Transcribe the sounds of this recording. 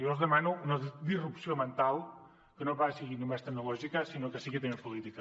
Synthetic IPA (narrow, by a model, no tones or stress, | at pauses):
owzðəmanuunɐd̪irupsiomə̃nt̪alˠ | kənoβasəɣinumɛst̪ənulɔʒikɐsinokəsiɣit̪emempulit̪ikɐ